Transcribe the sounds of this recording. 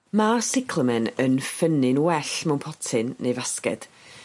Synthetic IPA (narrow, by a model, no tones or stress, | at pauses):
masɪkʰləmɛnənfənɪnwɛɬmɛwnpʰɔtʰɨnːejvaskɛ̰d̥